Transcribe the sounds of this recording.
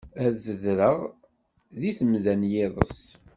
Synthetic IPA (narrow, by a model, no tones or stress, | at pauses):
æðzəðɾəʁ | ðiθəmðænjɪðˤə̰s